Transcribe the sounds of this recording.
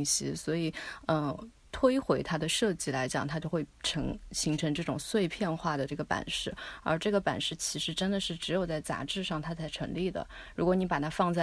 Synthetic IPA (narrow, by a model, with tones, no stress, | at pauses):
ŋɕḭ˧˥swɔ˧˥i˨˩ə˧ | t̪ʰwe˥ɪxwe˧˥ɪt̪ʰa˥d̪ə˨ʂɤ˥˧t͡ɕi˥˩la˧˥ɪt͡ɕjɑ̰˨˩ŋt̪ʰa˥t͡ɕjo˥˧ʊxwe˥˩ɪʈ͡ʂʰɤ˧˥ŋɕi˧˥ŋʈ͡ʂʰɤ˧˥ŋʈ͡ʂɤ˥˩ʈ͡ʂʊ˨˩ŋswe˥˧ɪpʰjɛ˥˧nxwa˥˩d̪ə˩ʈ͡ʂɤ˥˩ɡə˩pa̰˨˩nʂɻ̩˥˩ə̰˞˧˥ʈ͡ʂɤ˥˩ɡə˩pa̰˨˩nʂɻ̩˥˩t͡ɕʰi˧˥ʂɻ̩˧˥ʈ͡ʂə˥nd̪ə˨ʂɻ̩˥˩ʈ͡ʂɻ̩˧˥jo˨˩ʊt͡sa˥˩ɪt͡sa̰˧˥ʈ͡ʂɻ̩˥˧ʂɑ˥˩ŋt̪ʰa˥t͡sʰa˧˥ɪʈ͡ʂʰɤ̰˧˥ŋli˥˩d̪ə̰˩ | ɻu˧˥kwɔ˧˥ni˧˥pa˨˩t̪ʰa˥fɑ˥˧ŋt͡sa˥˧˩